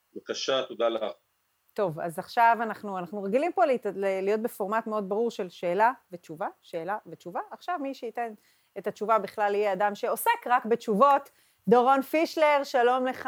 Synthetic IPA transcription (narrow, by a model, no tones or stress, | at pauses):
bakaʃat̪od̪alaχ | to̞va̰zaχʃavanaχnuanaχnuʁeɡilimpo̞llelijo̞t̚be̞fo̞ʁmatmeo̞d̚baʁuʁʃe̞lʃe̞ːlavet͡ʃuvaʃe̞ːlavet͡ʃuvaːχʃavmiʃeite̞n | etat͡ʃuvabiχlalijeadamʃe̞o̞se̞kʁakbe̞t͡ʃuvo̞t | doʁo̞nfiʃle̞ʁʃalo̞mle̞χ